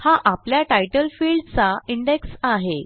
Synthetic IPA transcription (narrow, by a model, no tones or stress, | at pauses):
haʔapljaʈajʈəlfiːlɖt͡saiɳɖeksaɦe